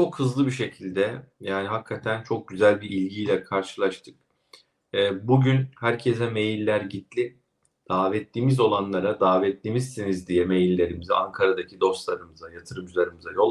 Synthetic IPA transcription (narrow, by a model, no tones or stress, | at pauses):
t͡ʃʰo̞khɯzlˠɯbiʃe̞cʰilʲd̪ɛjaːniɦakʰːat̪ʰænt͡ʃʰo̞k̚ɟyzælʲbiilʲɟijlʲɛkʰaɾʃɯlˠaʃt̪ʰɯ̥k̚ | ɛːbuɟynhæɾcʰesɛme̞jilʲːæɾɟit̪lʲi | d̪̥aːvɛt̪ːiːmizo̞lˠanlˠaɾad̪aːvɛt̪ːimizsinizd̪ijɛme̞jilʲːe̞ɾimizɛa̰ŋkʰaɾad̪acʰid̪o̞st̪lˠaɾɯmɯzajat̪ʰɯɾɯmd͡ʒɯlˠaɾɯmɯzajo̞lˠ